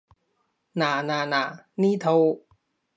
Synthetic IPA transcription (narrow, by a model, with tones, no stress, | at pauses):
naː˨˩˦naː˨˩˦naː˨˩˦niː˥˨t̪ʰo˧w